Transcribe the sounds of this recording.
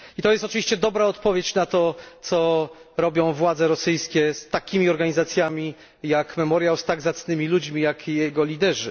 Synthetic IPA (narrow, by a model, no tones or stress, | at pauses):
it̪ɔjɛst̪ɔt͡ʂɨvʲiɕt͡ɕɛd̪ɔbɾaɔt̪pɔvʲjet͡ɕnat̪ɔt̪sɔɾɔbʲjɔ̃w̃vwad̪zɛɾɔsɘjskʲɛst̪akʲimʲiɔɾɡaɲizat̪sʲjamʲi | jakmɛmɔɾjawst̪aɡzat̪snɘmʲilud͡ʑmʲijakjɛɡɔlʲid̪ɛʐɘ̰